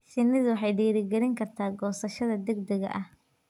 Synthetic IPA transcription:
ʃɪnːɪðʊwɑħɑjɖiːɾɪɡɛɾɪŋkʰɐrt̪ʰaːɡɔːsɐʃɐðɐd̪ɛɡd̪ɛɣɐ̰ʔɐh

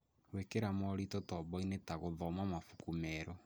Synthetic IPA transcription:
wekeɾamɔɾitɔtɔβɔinetaɣoðɔmamafu̥kumɛɾɔ

